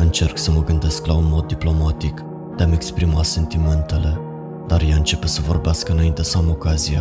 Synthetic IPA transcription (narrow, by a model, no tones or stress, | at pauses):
ɨnt͡ʃe̞rksəməɡɨnd̪e̞sklaunmo̞d̪ːiplo̞mat̪ik | d̪eame̞kspɾimase̞nt̪iment̪e̞le̞ | d̪̥arjaɨnt͡ʃe̞pe̞səvo̞rbeaskəɨnaint̪esəamo̞kazia